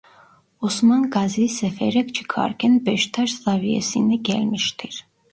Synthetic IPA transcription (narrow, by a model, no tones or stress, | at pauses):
usmɑnɡɑzisɛfɛɾɛkt͡ʃʰi̥kʰɑ̰ɾkʲʰɛnbɛʃt̪ʰɑʃzɑviɛ̰sinɛɡɛlmiʃt̪ʰiɾ